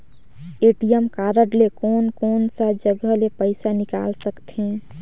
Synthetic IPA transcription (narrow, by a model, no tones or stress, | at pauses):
eʈijəmkaɾəɖlekonkonsad͡ʒəɡəlepəɪsanika̰lsəkt̪ʰɦẽ